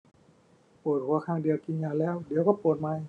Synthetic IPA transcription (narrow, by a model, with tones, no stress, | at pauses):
poː˨˩t̪̚kʰu˧ɐkʰaː˧˥˩ŋdi˧əwki˧nɲaː˧˩lɛː˧˥˩wdi˨˦əwkɔː˧˩poː˨˩t̪̚maː˧˩j